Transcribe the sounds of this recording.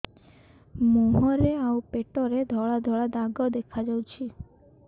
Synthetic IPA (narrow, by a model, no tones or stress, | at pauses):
moɦɔɾeaupeʈɔɾed̪ʱɔɭad̪ʱɔɭad̪aɡɔd̪ekʰad͡ʒawt͡ʃʰi